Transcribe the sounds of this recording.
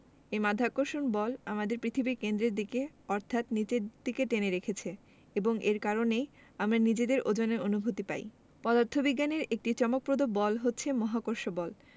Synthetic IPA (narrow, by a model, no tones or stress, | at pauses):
emad̪ʱakːoɾʃonbɔlamad̪eɾpɾit̪ʰibikend̪ɾeɾd̪ike | ɔɾt̪ʰat̪nit͡ɕeɾd̪̥iket̪eneɾekʰet͡ɕʰe | eboŋʔeɾkaɾonej | amɾanid͡ʑed̪eɾʔod͡ʑoneonubʱut̪ipa̰j | pɔd̪aɾt̪ʰːobiɡːaneɾek̚ʈit͡ɕɔmok̚pɾod̪obɔlɦotːɕʰemɔɦakoɾʃobɔl